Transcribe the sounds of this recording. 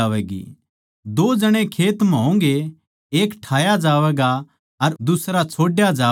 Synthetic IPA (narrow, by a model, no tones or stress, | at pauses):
aːʋɛːɡḭː | d̪oːd͡ʒɐɽ̃ẽkʰeːt̪mɦõŋɡe | eːkʈʰaːjad͡ʒaːʋɛːɡa | ɐɾd̪ʊsɾat͡ʃʰoːɖjad͡ʒaː